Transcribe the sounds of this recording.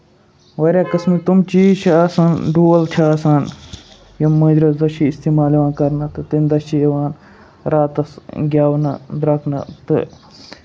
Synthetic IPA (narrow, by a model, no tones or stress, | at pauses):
ʋɐɾʲjaːkɐsmit̪umt͡ʃiːt͡ʃʰɐaːsɐnɖuːɐlt͡ʃʰaːsaːn | jɐmːɐ̃d͡ʒɾɐsd̪ɐʃiːst̪iːmaːliʋaːnkɐɾnɐt̪ɨt̪ind̪ɐʃt͡ʃijɐʋaːn | ɾaːt̪ɐsɡʲjaːʋnɐd̪ɾɐkʰnɐ̰t̪ɨ̰